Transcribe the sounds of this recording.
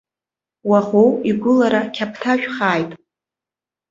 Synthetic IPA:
waχowiɡʷʊlaɾakʲʰapʰtʰaʃᶣχaːjtʼ

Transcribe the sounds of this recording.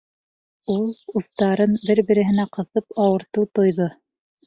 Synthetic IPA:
ulˠuθt̪ɑɾɤnbɘɾbɘ̆ɾɘ̆ɦɘ̆næqɤ̆θɤpɑwɤ̆ɾt̪ɤwt̪ŏjðɤ

